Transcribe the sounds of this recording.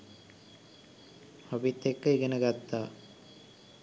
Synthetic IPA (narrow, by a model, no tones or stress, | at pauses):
hɐbit̪ːekːəiɡenəɡat̪ːaː